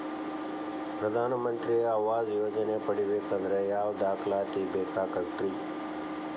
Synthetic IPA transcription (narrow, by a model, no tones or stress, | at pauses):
pɾɐd̪aːnmənt̪ɾiaːwaːzjoːd͡ʑɐneːpəɽiweːkɐnd̪ɾɐjaːwd̪aːxlaːt̪iːbeːkaːkɐkʈɾi